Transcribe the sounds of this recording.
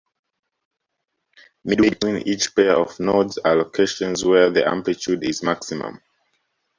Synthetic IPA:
midwidĩnḭt͡ʃpɛɹɔvnɔdzalokʰeʃɔ̃nzwɛðiʔã̰mplitʰudizmaksimə̰̃m

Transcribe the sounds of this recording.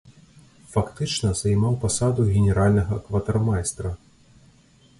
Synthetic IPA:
fakt̪ɨt͡ʂnɐzajmawpasad̪uɣʲɛnʲɛɾalʲnɐɣɐkvɐt̪armajst̪ɾɐ

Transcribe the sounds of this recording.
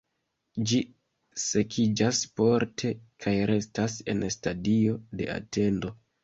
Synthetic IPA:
d͡ʒi | se̞kʰid͡ʒaspoɾtʰe̞kʰajɾe̞stase̞̰nstadio̞de̞̰a̰te̞ndo̞

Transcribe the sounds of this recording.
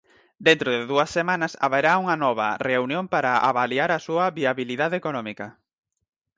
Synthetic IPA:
d̪ent̪ɾʊðɪðuɐsːemanɐsa̰βajɾauŋɐnɔβɐ̰reunjõmpaɾaʔa̰βaliaɾɐsuɐβiaβiliðaðekonɔmikɐ

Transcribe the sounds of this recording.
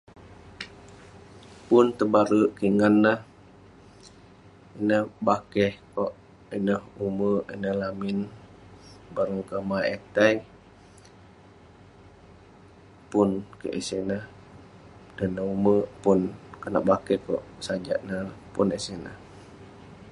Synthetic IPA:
punt̪əbaɾəʔkiŋanːəh | inəhbakɛhkɔʔ | inəhuməʔḭnəhlamin | baɾəŋkəmaet̪ɛi | punkə̰ʔisinəh | dənːəuməpunkənaʔbakɛhkɔ̰ʔsad͡ʒa̰ʔnəpunisinə̰h

